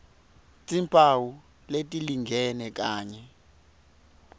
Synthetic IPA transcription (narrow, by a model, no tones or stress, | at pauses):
t͡sʼimpʰʼawu | letʼiliŋɡʱɛnɛk̬aːɲɛ